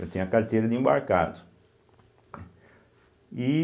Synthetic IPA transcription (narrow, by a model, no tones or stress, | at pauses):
ɐt̪ẽɐkaɾt̪ejɾɐd̪ɪĩba̰ɾka̰d̪ʊ | i